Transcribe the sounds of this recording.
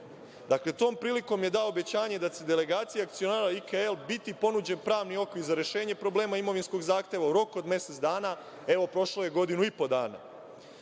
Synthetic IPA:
d̪akle̞t̪o̞ːmpɾiːliko̞mje̞d̪aoobe̞t͡ɕaːɲe̞d̪at͡ɕe̞d̪ele̞ɡaːt̪sijak̚t̪sio̞naːɾaikaelbit̪ipo̞nud͡ʑe̞npɾaːʋnio̞kʋiɾzaɾe̞ʃeːɲepɾo̞ble̞ːmaimo̞ʋinsko̞ɡzaːxt̪e̞ʋauɾo̞kod̪me̞set̪sd̪aːna | e̞ʋo̞pɾo̞ʃloje̞ɡo̞d̪inuipo̞d̪a̰ːna̰

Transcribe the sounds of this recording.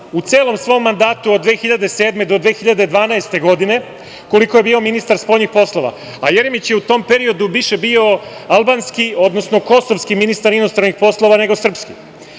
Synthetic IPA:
ut̪se̞ːlˠo̞msʋo̞mːand̪aːt̪uod̪ʋe̞ːxiʎad̪e̞se̞ːd̪me̞d̪od̪ʋe̞ːxiʎad̪ed̪ʋaːnaest̪e̞ɡo̞d̪ine̞ | ko̞likoje̞biːo̞minist̪aɾspo̞jnixpo̞slˠo̞ʋa̰ | ajeɾemit͡ɕjeut̪o̞mpeɾio̞d̪uʋiʃe̞bio̞alˠbaːnskio̞d̪nosno̞ko̞so̞vskiminist̪aɾinost̪ɾanixpo̞slˠo̞ʋane̞ɡo̞sr̩pskḭ

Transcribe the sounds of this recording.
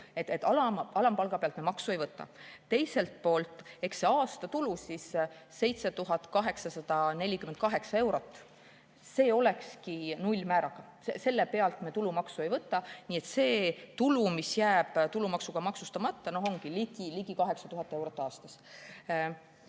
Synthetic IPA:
et̪ːet̪ːˑɑlɑɑlɑmpɑlɡ̥ɑpeɑlt̪memɑksuejvɤt̪ˑːɑ̰t̪ːe̞jse̞lt̪̚po̞ːlt̪ˑe̞kse̞ɑːst̪ɑt̪ulusisːe̞jt̪se̞t̪uɦɑt̪ˑkɑɦe̞ksɑsɑd̪̥ɑne̞lʲikyment̪̚kɑɦe̞ksɑe̞wɾo̞t̪ːˑ | se̞ːo̞le̞kskinulʲːmæːɾɑɡ̥ɑ | ese̞lːe̞pe̞ɑlt̪met̪ulumɑksue̞jvɤt̪ːˑɑniːet̪se̞ːt̪ulumisjæːb̥t̪ulumɑksuɡ̥ɑmɑksust̪ɑmɑt̪ːɑno̞ɦo̞ŋɡ̥iliɡ̥iliɡikɑɦe̞ksɑt̪uɦɑt̪ːˑe̞wɾo̞t̪ːˑɑːst̪ɑs

